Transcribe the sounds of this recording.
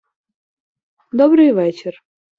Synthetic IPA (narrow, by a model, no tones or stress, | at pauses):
d̪ɔbɾɨjvɛt͡ɕɪr